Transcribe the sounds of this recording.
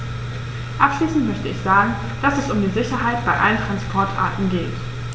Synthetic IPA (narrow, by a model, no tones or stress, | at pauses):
ʔapʃliːsn̩tmœçtəɪçz̥aːɡŋ̩ | d̥asɛsʊmdiːzɪçɐɦaɪtb̥aɪʔa̰ləntʁ̥anspʰɔɐtʔa̰ɐtn̩ɡeːt